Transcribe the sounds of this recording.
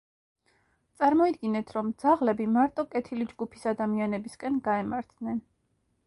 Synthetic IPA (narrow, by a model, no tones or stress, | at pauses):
t̪sʼaɾmɔid̪ɡinɛt̪ʰɾɔmd̪zaʁlɛbimaɾt̪ʼɔkʼɛt̪ʰilid͡ʒɡupʰi̥sad̪amianɛbiskʼɛnɡaɛmaɾt̪ʰnɛn